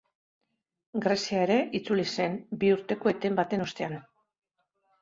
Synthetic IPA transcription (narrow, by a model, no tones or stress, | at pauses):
ɡɾe̞siaeɾe̞ʔit͡sulise̞nbiuɾt̪e̞ko̞et̪e̞mbat̪e̞no̞st̪e̞an